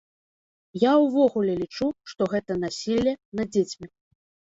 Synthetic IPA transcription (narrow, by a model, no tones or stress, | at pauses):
jawvɔɣulʲɛlʲit͡ʂuʂt̪ɔɣɛt̪ɐnasʲilʲːɛnɐd͡zʲet͡sʲmʲi